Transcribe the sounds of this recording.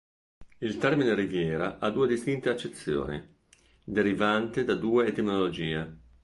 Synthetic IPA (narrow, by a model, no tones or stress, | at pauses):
ilt̪ɛrminerivjɛːɾaʔad̪uːed̪ist̪int̪eat͡ʃːet̪sːjo̰ːnḭ | d̪eɾivant̪ed̪ad̪uːeːt̪eminolod͡ʒiːe